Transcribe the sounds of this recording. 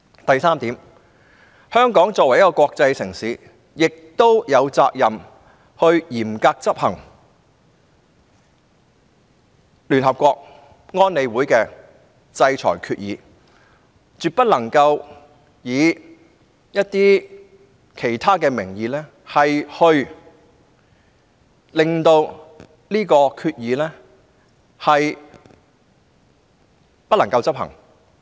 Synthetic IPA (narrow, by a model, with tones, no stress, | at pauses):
t̪ɐ˨jsaː˥mt̪iː˨˥m | hœː˥ŋkɔː˨˥ŋt͡sɔː˧k̚wɐ˩jɐ˥kːɔː˧kʷwɔː˧k̚t͡sɐ˧jsɪ˨˩ŋsiː˨˥ | jɪ˨k̚t̪o˥wjɐ˨˧wt͡sa̰ː˧k̚jɐ˨m | hɵ˧ɥjiː˨˩mkaː˧k̚t͡sɐ˥p̚hɐ˨˩ŋ | lyː˨˩nɦɐ˨p̚kʷɔː˧k̚ | ŋɔː˥nːe˨˧jwuː˨˥jkɛː˧ | t͡sɐ˧jt͡sʰɔ̰ː˨˩jkʰyː˧t̚jiː˨˧ | t͡ʃyː˨t̚pɐ˥t̚lɐ˨˩ŋkɐ˧w | jiː˨˧ | jɐ˥t̚t̪iː˥ | kʰe˨˩jt̪ʰaː˥kɛː˧mɪ˨˩ŋjiː˨˧lɛː˥ | hɐ˨jhɵ˧ɥ | lɪ˨ŋt̪o˧w | liː˥kɔː˧kʰyː˧t̚jiː˨˧lɛː˥ | hɐ˨j | pɐ˥t̚lɐ˨˩ŋkɐ˧wt͡sɐ˥p̚hɐ̰˨˩ŋ